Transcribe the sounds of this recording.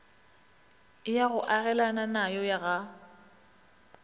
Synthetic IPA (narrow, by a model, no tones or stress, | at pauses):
ɪjaɣʊʔaɣɛlananajɔjaɣa